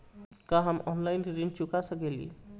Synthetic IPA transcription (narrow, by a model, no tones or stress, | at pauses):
kãɦəmɔnlajnɾint͡ʃukasəkelḭ